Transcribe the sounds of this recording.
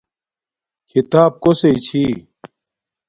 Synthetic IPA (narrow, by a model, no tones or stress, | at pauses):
kʰit̪aːb̚koseit͡ɕʰi